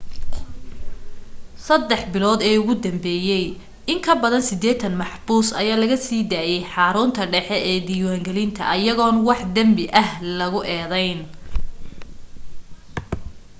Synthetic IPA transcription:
sɐd̪ːɛħbɪlɔːd̪ɛːʊɣʊd̪ɐmbɛːjɛj | ɪŋkʰɐbɐðɐnsɪd̪ɛːt̪ʰɐnmɑħbuːsɐ̰jaːlɐɣɐsiːd̪aːjɛjħɑːɾʊːnt̪ʰɐɖɛħɛʔɛːd̪iːwaːŋɡɛlɪnt̪ʰɐ̰ʔɐjɐɣɔːnwɑħd̪ɐmbɪʔɐhlɐɣʊʔɛːðɛjn

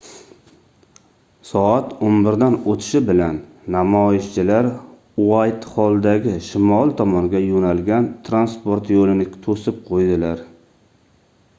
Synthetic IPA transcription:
sɒat̪onbɪɾd̪anot̪ʰɪ̥ʃɪbɪlanː | amɒɪʃt͡ʃʰɪlaɾ | uajt̪hɒlˠd̪aɡʲɪʃɪmɒlˠt̪ʰɒmɒnŋɡʲajonalɡʲant̪ʰɾanspoɾt̪jolɪnɪt̪ʰosɪp̚qʰojd̪ɪlaɾ

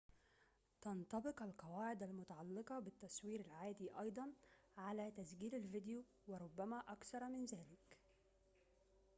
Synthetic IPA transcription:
t̪ɑnt̪ˤɑbɪqælqɑwaːʕɪd̪ælmʊt̪ɑʕɑlːɪqɑbɪt̪ːæswiːɾælʕaːd̪iːʔɑjd̪ˤɑn | ʕalæːt̪æzɡiːlælvɪd̪juː | wɪɾˤʊbːæmæːʔɑkθɑɾˤmɪnzæːlɪk

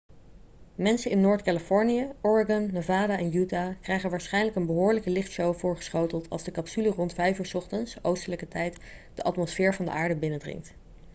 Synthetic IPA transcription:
mɛnsəɪnːʊːɹtkaləfɔɹnijəɔɹaɡɑnːovaːdaʔɛnjutakrɛjχənʋaːɹsχɛjnləkənbəɦʊːɹləkəlɪχtsowvʊːɹχə̥sχowtəlˠtʰɑ̰lˠzdəkɑpsylərɔntfɛjfyːɹsɔχtənsowstələkətɛjt | d̥əʔɑ̰tmɔsfɪːɹvɑndə̰ʔaːɹdəbɪnədrɪ̰ŋkt

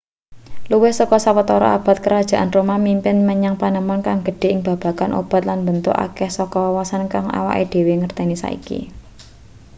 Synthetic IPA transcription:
luwɪhsɔkɔsawət̪ɔɾɔ̰a̰b̥a̤t̪̚kəɾad̥ʒ̥a̤ʔanrumamimpɪnməɲaŋpanəmɔnkaŋɡə̤ɖ̥e̤ɪŋb̥a̤b̥a̤kanʔo̰b̥a̤t̪̚lanbənt̪ʊ̰ka̰kɛhsɔkɔwawasankaŋa̰wa̰ʔed̥e̤weŋərt̪ɛnisa̰ḭkḭ

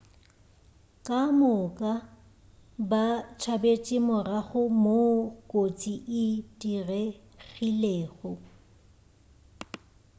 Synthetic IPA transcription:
kʼamʊkʼa | bat͡ʃʰabet͡ʃʼɪmʊraɣʊmokʼot͡sʼiʔɪdire | ɣileːɣʊ

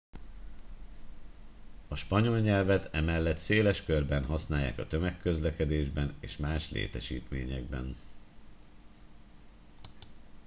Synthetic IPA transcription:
ɒʃpɒɲo̞lɲɛlvɛt̪ɛmɛlːɛt̪seːlɛʃkørbɛnɦɒsnaːja̰ːkɒt̪ømɛkːø̞zlɛkɛd̪eːʒbɛneːʃmaːʃlḛːt̪ɛʃḭːt̪meːɲɛɡbɛ̰n

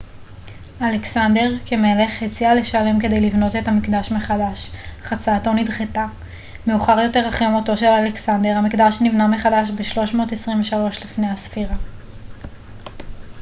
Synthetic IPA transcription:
aleksande̞ʁkemele̞χhet͡siale̞ʃale̞mke̞de̞jlivno̞te̞tamikdaʃmeχadaʃχat͡saːto̞nidχeta | meuχaʁjo̞te̞ʁaχamoto̞ʃe̞laleksande̞ʁhamikdaʃnivname̞χadaʃbeʃlo̞ʃmo̞ːtesʁiɱveʃalo̞ʃlifne̞jhasfiʁa

